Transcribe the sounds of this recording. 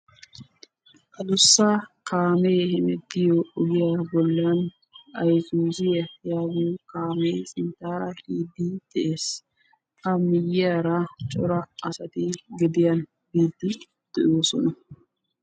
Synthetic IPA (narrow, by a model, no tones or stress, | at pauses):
ʔɐlʊsːɐkaːmejhɛmɛd̪ːɪjoɔɡɪjabɔlːɪɐn | ɐjzuːzɪjɐjaːɡuːkaːmejsɪnt̪aːɾɐhiːd̪ːid̪̥ɛʔeːs | ʔɐmːɪjɪjaɾɐt͡ʃʼɔ̰ɾɐɐsɐt̪ɪɡɛd̪ɪjɐn | biːd̪ːɪ | d̪̥ɛʔoːsɔ̰nɐ